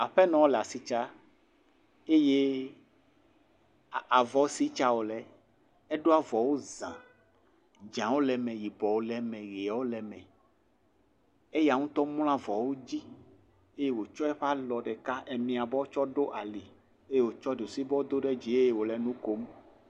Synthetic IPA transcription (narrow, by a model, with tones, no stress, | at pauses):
a˨ɸɛ˦nɔ̃˦wo˦la˨si˨t͡ʃa˦ | e˦je˦˨ | a˨vɔ˨˦si˨˦t͡ʃa˦wo˨lɛ˨ | ɛ˦ɖo˦a˦vɔ˨wo˦zã˨ | d͡ʒã˨wo˦lɛ˨mɛ̃˨ji˨bɔ˨wo˨˦lɛ˨mɛ̃˨ɣi˨a˨wo˦lɛ˨mɛ̃˨ | e˦ja˨ŋũ˦t̪ɔ˦m˦l̃ã˦vɔ˨wo˦d͡ʑi˦ | e˦je˦wo˨t͡ʃɔ˦ɛ˦ɸa˦lɔ˨ɖɛ˨ka˦ʔɛ˨mĩ˨a˨bɔ˦o˦t͡ʃɔ˦ɖo˦ʔa˨li˨ | e˦je˦wo˨t͡ʃɔ˦ɖo˨si˦bɔ˦o˦d̪o˦ɖɛ˦d͡ʑi˨e˦je˦wo˨lɛ˨nũ˦ko˦m